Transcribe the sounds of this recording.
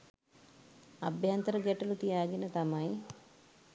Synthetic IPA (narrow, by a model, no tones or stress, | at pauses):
ɐbʱjant̪ɐɾɐɡeʈɐlut̪ijaːɡinɐt̪ɐmɐj